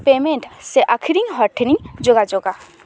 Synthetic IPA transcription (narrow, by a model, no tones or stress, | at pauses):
peːmẽɳʈseʔakʰiɾĩŋɦɔʈʰnĩd͡ʒoɡad͡ʒoːɡa